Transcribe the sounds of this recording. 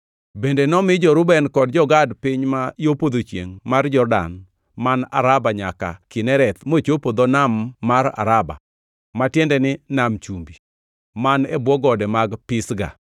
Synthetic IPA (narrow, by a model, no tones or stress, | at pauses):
bendenɔmɪd͡ʒɔɾʊbɛnkɔdd͡ʒɔɡadpɪɲmajopod̪ot͡ʃjḛŋmard͡ʒɔrda̰n | mana̰ɾabaɲaka̰kɪnɛɾɛt̪mot͡ʃopod̪ɔnamːaɾa̰ɾaba̰ | matjɛndɛnɪnamt͡ʃumbi | manɛbwɔɡɔdɛmaɡpɪsɡa̰